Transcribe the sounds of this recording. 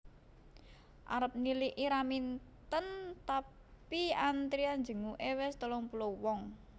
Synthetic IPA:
ʔa̰ɾəp̚niliʔiɾamint̪ənt̪a | piant̪ɾiand͡ʒə̤ŋuʔewɛst̪əlɔŋpulowɔŋ

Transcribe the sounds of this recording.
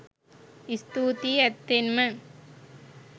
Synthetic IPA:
ɪst̪uːt̪iɐt̪ːɪnmɐ

